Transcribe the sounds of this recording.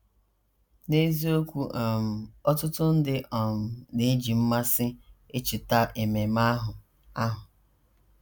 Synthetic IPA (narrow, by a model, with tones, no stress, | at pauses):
ne˦zi˦o˦kʷu˦ʔa˨m̩˨ɔ˦tʊ˦tʊ˦n̩˦dɪ˦ʔɔ˨m̩˨ne˦d͡ʒi˨m̩˦ma˦sɪ˦e˦t͡ʃɪ˨ta˦ʔe˨me˨ma˦ɦʊ˨ | a˦ɦʊ˨